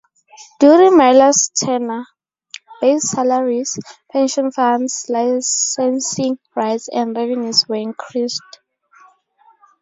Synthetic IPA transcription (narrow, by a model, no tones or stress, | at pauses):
d̥juɹĩŋmajlastʰɛna | b̥essalaɹispʰɛ̃nʃɔ̃nfãndslasɛ̃nsĩŋ | ɹajtsɛ̰̃ndɹɛvɛnjuswɛĩŋkʰɹist